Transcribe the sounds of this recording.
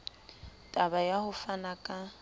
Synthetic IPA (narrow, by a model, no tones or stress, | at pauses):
tʼabajahʊfanakʼa